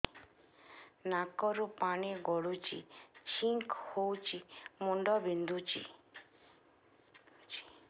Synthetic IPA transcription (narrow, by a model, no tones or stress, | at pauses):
nakɔɾupaɽ̃iɡɔɽut͡ʃḭt͡ʃʰiŋkhowt͡ʃʰimuɳɖɔbind̪ut͡ʃʰḭ